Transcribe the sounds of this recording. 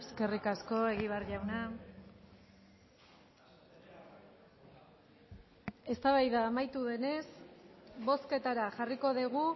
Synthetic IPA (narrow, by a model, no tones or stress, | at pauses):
eske̞rikasko̞e̞ɣiβ̞arʎawna | e̞st̪aβajðaːmajt̪uðe̞ne̞s | βo̞ske̞t̪aɾaʝariko̞ðiɣu